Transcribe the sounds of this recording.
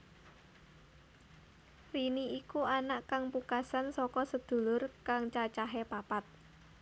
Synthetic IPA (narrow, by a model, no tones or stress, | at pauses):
riniikuanaʔkaŋpukasansɔkɔsəd̪̥ṳlʊrkaŋt͡ʃat͡ʃaɦɛpapat̪̚